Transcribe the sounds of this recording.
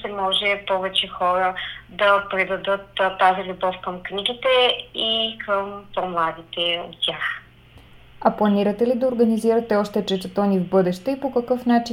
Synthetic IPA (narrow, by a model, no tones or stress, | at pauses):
sɛmɔʒɛpɔvɛt͡ʃɛxɔɾəd̪ɐpɾɛd̪ɐd̪ɤt̪ːazilʲubɔfkəmkniɡit̪ɛikʰəmpɔmlˠad̪it̪ɛo̰t̪ːʲjax | ɐplˠɐniɾɐt̪ɛlid̪ɐoɾɡɐniziɾɐt̪ɛɔʃt̪ɛt͡ʃɛt̪ɛt̪ɔnivbɤd̪ɛʃt̪ɛipokɐkɤfnat͡ʃi